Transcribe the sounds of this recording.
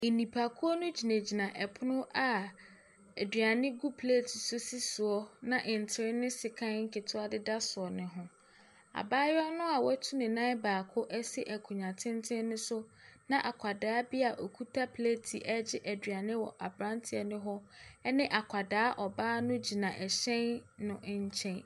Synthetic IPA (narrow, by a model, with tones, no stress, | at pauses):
nĩ˨pʰa˨kʰu˦ɔ˦nʊ̃˦d͡ʑi˨næ˨d͡ʑi˨nã˨ʔɛ˨pʰʊ˦nʊ̃˦ʔa˨ | æ˨dɥa˨nɪ̃˦ɡu˦pʰle˦tʰi˨sʊ˦si˦sʊ˨ɔ˦nã˨ʔɪ̃˨n˨tʰɪ˨ɾɪ˦nɪ̃˦sɪ˨kʰã˦n˦ŋ̩˦kʰɪ˨tʰʊ˦a˦dɪ˦da˦sʊ˨ɔ˨nɪ̃˨ɦʊ̃˨ | a̰˨baː˦jɔ˦nʊ̃˦a˨wɔ˦tʰu˦nɪ̃˨nã˦baː˨kʰʊ˦ʔɛ˦sɪ˦ʔæ˨kʰu˨ɲã˨tʰɪ̃˦ntʰɪ̃˦n˦nʊ̃˦sʊ˦nã˦ʔa˨kʰa˨daː˨˦bi˦a˨ʔɔ˨kʰu˦tʰa˦pʰle˦tʰi˨ʔɛ˦d͡ʑɪ˦ʔæ˨dɥa˨nɪ̃˦wɔ̰˨ʔa˨bɾã˦ntʰɪ˨ɛ˨nʊ̃˦ɦɔ˦ɛ˦nɪ̃˦ʔa˨kʷʰa˨daː˨˦ʔɔ˨baː˦nʊ̃˦d͡ʑi˨nã˨ʔɛ˨ɕɛ̃˦nːʊ̃˦ʔɲ˦t͡ɕʰɛ̃˦n